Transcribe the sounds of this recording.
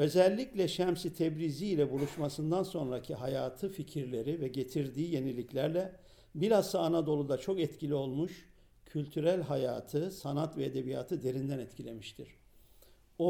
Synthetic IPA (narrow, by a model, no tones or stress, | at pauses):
ø̞zɛlʲːiclʲɛʃæmsit̪ʰɛbɾiziːlʲɛbulˠuʃmasɯnd̪anso̞nɾacʰiɦajaːt̪ʰɯficʰiɾlʲe̞ɾivɛɟe̞t̪ʰiɾd̪iːje̞nilʲiclʲæɾlʲɛ | biɾasaːnad̪o̞lˠud̪at͡ʃʰo̞kɛt̪cilʲio̞lˠmuʃ | cʰylʲt̪ʰyɾælʲɦaja̰ːt̪ʰɯsanat̪vɛed̪e̞bija̰ːt̪ʰɯd̪e̞ɾind̪ænɛt̪cʰilʲe̞miʃt̪ʰiɾ̥ | o